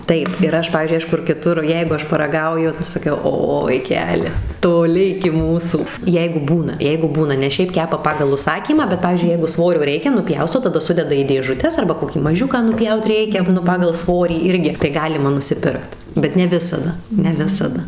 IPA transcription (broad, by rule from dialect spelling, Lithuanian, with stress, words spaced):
ˈtɐɪp ɪr ˈɐʃ ˈpɑːʋʲiːzʲd͡ʒʲʊɪ ˈɐʃ ˈkʊr kʲɪˈtʊr ˈjɛɪɡʊ ˈɐʃ pɐrɐ ɡɐʊjʊ ˈnʊ sɐˈkʲɛʊ ˈoː ʋɐɪˈkʲæːlʲɪ toːˈlʲɪ ɪkʲɪ ˈmuːsuː ˈjɛɪɡʊ ˈbuːnɐ ˈjɛɪɡʊ ˈbuːnɐ nʲɛs ˈʃʲɛɪp ˈkʲæːpɐ ˈpɑːɡɐlˠ ʊʃˈsɑːkʲiːmɑː bʲɛt ˈpɑːʋʲiːzʲd͡ʒʲʊɪ ˈjɛɪɡʊ ˈsʋoːrʲoː ˈrʲɛɪkʲɛ nʊˈpʲjɛʊstoː tɐˈdɐ ˈsʊdʲɛdɐ iː dʲeːʒʊˈtʲɛs ɐrbɐ koːˈkʲiː mɐˈʒʲʊkɑː nʊˈpʲjɛʊt ˈrʲɛɪkʲɛ ˈnʊ ˈpɑːɡɐlˠ ˈsʋoːrʲiː ˈɪrʲɡʲɪ tɐɪ ˈɡɑːlʲɪmɐ nʊsʲɪˈpʲɪrkt bʲɛt nʲɛ ˈʋʲɪsɐdɐ nʲɛ ˈʋʲɪsɐdɐ